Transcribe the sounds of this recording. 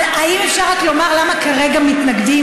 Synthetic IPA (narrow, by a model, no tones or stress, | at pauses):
aimefʃaʁat̪lo̞maʁlamakaʁe̞ɡamit̪naɡdi